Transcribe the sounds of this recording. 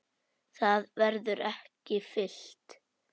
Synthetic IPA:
θaðvɛɾðʏɾɛhcɪfɪl̥t̪

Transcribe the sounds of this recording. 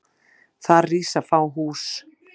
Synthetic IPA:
θaɾriːsafaːwɦuːs

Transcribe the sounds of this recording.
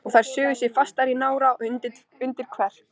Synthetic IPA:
ɔɣθajɾ̥sʏːɣʏsjɛfast̪aɾinaːwɾaʔʏt̪ɪ | ʏnt̪ɪɾkʰvɛr̥

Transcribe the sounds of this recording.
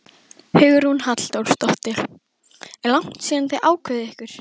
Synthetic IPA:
hʏːɣʏɾhunhat̪l̥t̪owɾ̥st̪ɔht̪ɪl | lawŋ̥t̪siːðant̪ɪʔaːwkʰvœðɪɛhkʏɾ̥

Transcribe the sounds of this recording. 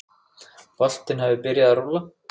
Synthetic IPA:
val̥t̪ɪnhɛvɪpɪɾjaðaɾola

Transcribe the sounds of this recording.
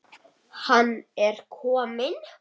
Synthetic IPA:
hanːɛɾ̥kʰɔːmɪn

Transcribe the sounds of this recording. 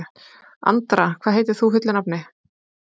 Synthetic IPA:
a̰nt̪ɾakʰvaːɦejt̪ɪɾ̥θufʏt̪lɪnapnɪ

